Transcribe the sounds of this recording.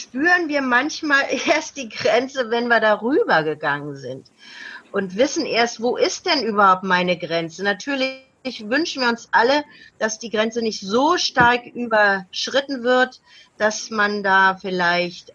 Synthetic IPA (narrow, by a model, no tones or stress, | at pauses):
ʃpyːʁənviːɐmançmaːlʔeːɐst̚d̥iːɡʁɛnt͡səvɛnviːɐdaːʁyːbɐɡəɡaŋənzɪ̰nt | ʔʊntv̥ɪsn̩ʔeːɐstv̥oːʔɪst̚d̥ɛnʔyːbɐhaʊp̚tmaɪnəɡʁɛnt͡sənatʰyːɐlɪ | çvʏnʃn̩viːɐʊnsʔaləd̥asd̥iːɡʁɛnt͡sənɪçtz̥oːʃtaɐkʔyːbɐʃʁ̥ɪtn̩vɪɐt | d̥asmandaːfɪlaɪçt